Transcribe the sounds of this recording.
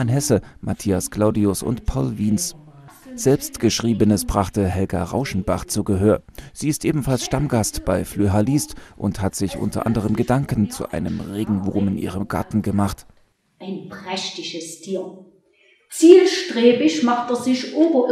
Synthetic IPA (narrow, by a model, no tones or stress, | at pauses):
anɦɛsəmʔatʰiːaskl̥aʊdiʊsʊ̰ntpʰɔlviːns | z̥ɛlpstɡ̥əʃʁ̥iːbənəsb̥ʁaχtəhɛlɡa̰ʁa̰ʊʃn̩baχt͡suːɡəɦøːɐz̥iːɪstʔeːbm̩falsʃtamɡastb̥aɪflyɦaliːstʔʊ̰nthatz̥ɪçʔʊ̰ntɐ̰ʔa̰ndəʁ̞əmɡədaŋkn̩t͡sṵʔa̰ɪnəmʁeːɡŋ̩vuːmɪnʔḭːʁ̞əmɡa̰ɐtn̩ɡəmaχt | ʔaɪnpʁ̥ɛʃtɪʃəstʰiːɐ | t͡siːlʃtʁ̥eːbɪçmaχteːɐzɪçʔoːbɐʔ